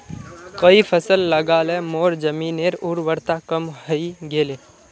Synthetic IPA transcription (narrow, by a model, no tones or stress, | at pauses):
kəifʰəsəlːəɡaːlemoːɾd͡ʒəmiːneɾʊɾʋəɾt̪akəmɦəiɡeːleː